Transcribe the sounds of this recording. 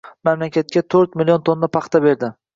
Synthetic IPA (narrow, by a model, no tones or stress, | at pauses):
mamlakʲʰat̪̚kʲat̪ʰɵɾt̪mɪljont̪ʰond̪apʰɑχt̪ʰabe̞ɾd̪ɪ